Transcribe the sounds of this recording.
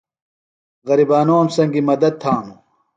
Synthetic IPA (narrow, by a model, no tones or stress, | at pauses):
ɣɐɾibaːnoːmsɐŋɡimɐd̪ɐd̪̚t̪ʰaːmu